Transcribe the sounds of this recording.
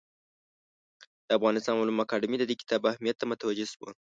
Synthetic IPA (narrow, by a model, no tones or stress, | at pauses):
d̪̥əafɣɑnɪst̪ɑnmwalumakɑɖɪmid̪əd̪ekɪ̥t̪ʰɑbahmijat̪ːamʊt̪awad͡ʒɪswə̰